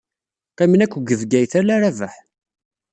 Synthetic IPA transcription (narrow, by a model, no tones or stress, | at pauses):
qæminækʷːɡəvɡæjθælæɾavəħ